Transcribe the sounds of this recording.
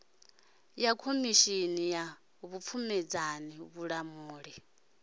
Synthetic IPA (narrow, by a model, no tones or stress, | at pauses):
jakʰomiʃinija | βup̪fʰumɛd͡zaniβuɺamuːɺi